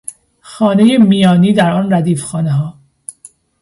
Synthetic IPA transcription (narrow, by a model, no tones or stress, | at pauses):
xɒːne̞jemijɒːniːd̪æɾɒːnræd̪iːfxɒːneɦɒː